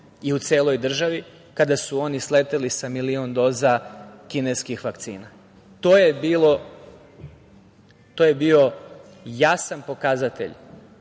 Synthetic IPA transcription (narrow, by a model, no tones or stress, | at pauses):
iut̪seːlo̞jd̪r̩ʒaʋi | kad̪asuo̞nislet̪elisamilio̞nd̪o̞ːzakine̞skixʋakt̪sḭːna | t̪oːje̞biːlˠo̞ | t̪oje̞bio̞ | jasanpo̞kazat̪ḛʎ